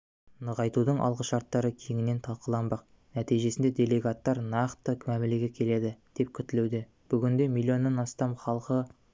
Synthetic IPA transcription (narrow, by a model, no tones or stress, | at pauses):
nəʁɑjt̪ud̪əɴʔɑ̰lˠʁəʃɑɾt̪ːɑɾəkʲʰeŋʲɪne̞nt̪ʰɑlˠqəlˠɑnbɑq̚ | næt̪ijʒe̞sɪnd̪e̞d̪ʲe̞lʲˠe̞ɡat̪ːɑɾnɑqt̪əkʲʰmæmɪleɡʲekʲʰe̞le̞d̪ɪd̪̥e̞p̚kʲʰʏt̪ɪlewd̪e | b̥ʏɡʲɪnd̪e̞milʲˠːio̞nːɑnɑst̪ɑmχɑlˠqə